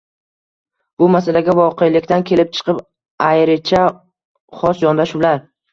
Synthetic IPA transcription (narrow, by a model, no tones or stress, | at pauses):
b̥ʊmasalaɡʲavɒqʰejlɪkʲt̪ankʲʰe̞lɪp̚t͡ʃʰɨ̥qʰɨp | ajɾɪt͡ʃʰa | χɒsjɒnd̪aʃʊlaɾ